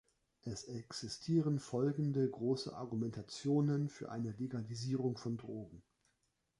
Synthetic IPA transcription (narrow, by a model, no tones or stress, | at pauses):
ʔɛsɛksɪstʰiːʁ̞ənfɔlɡŋ̩dəɡʁoːsə̰ʔa̰ɐɡumɛntʰat͡sjoːnənfyːɐʔa̰ɪnəleɡaliziːʁʊŋfɔndʁoːɡŋ̩